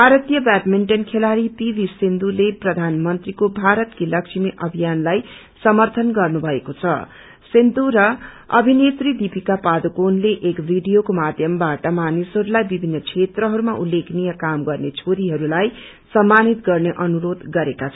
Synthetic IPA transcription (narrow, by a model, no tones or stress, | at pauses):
bʱaɾʌt̪jʌbaʈmeɳʈʌnkʰelaɾipibʱisind̪uleprʌd̪ʱanmʌnt̪rikobʱaɾʌt̪kilʌkt͡sʰimiʔʌbʱijanlaj | sʌmʌrt̪ʰʌnɡʌrnubʱʌekot͡sʰʌ̰ | sind̪uɾʌ | ʌ̰bʱinet̪rid̪ipikapad̪okonleʔekbʱiɖijokomad̪ʱjʌmbaʈʌmanisɦʌɾulajbibʱinːʌkʰet̪rʌɦʌɾumaʔulːeknijʌkamɡʌrnet͡sʰoɾiɦʌɾulaj | sʌmːanit̪ɡʌrneʔʌnuɾod̪ɡʌɾekat͡sʰ